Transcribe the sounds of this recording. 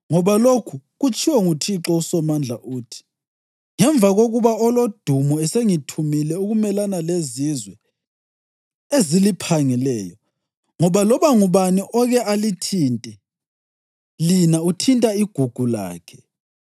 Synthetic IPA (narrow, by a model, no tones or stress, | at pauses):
ŋɔβalokʰuɣut͡ʃʰʼiwɛŋutʰiǁɔusɔmand͡ɮʱaʔuːtʰi̥ | ŋɛɱvʱaɣoɣuβaɔlod̥ʱumɔɛseŋitʰumilɛuɣumɛlanalezizwɛ | ezilipʰaŋilɛːjɔ | ŋɔβalɔβaŋuβaniʔɔɣɛʔalitʰintʼɛ | linautʰintʼaiɡ̥ʱuɡ̥ʱula̰ːkʰɛ̥